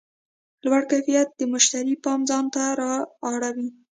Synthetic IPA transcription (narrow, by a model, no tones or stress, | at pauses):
lwaɽkajfijat̪̚d̪əmʊʃt̪aɾipɑmzɑnt̪aɾɑːɽawi